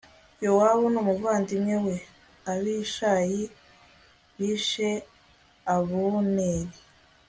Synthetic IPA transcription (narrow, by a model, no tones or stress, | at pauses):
jowaβunumuvaːndimɲewe | aβiʃaji | βiːʃe | aβuneɾi